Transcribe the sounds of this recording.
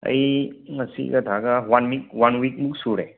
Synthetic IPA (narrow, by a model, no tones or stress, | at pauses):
ɐ̰jmɐsḭɡɐtʰaɡawanmik̚wanwik̚muk̚suɾḛ